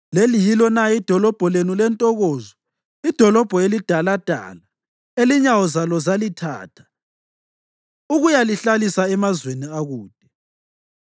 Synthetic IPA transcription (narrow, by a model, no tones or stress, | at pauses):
lelijilɔnaid̥ʱɔlɔb̥ʱɔlenulɛntʼɔɣoːzɔ | id̥ʱɔlɔb̥ʱɔelid̥ʱalad̥ʱa̰ːla | eliɲawɔzalɔzalitʰa̰ːtʰḁ | uɣujaliɬalisaɛmazweniaɣuːd̥ʱɛ